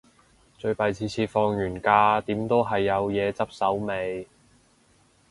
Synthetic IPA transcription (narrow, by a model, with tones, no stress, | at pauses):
t͡ʃɵ˧ɥpɐ˨˧jt͡sʰiː˧t͡sʰiː˧tfɔː˧ŋjyː˨˩nkaː˧t̪iː˨˥mt̪o˥wɦɐ˨jːɐ˨˧wjɛː˨˧t͡sɐ˥p̚sɐ˨˥wme˨˧j